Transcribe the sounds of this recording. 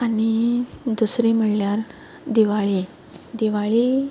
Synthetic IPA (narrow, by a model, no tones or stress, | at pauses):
anid̪usɾim̤əɽljaɾ | d̪iʋaɭi | d̪iʋaɭi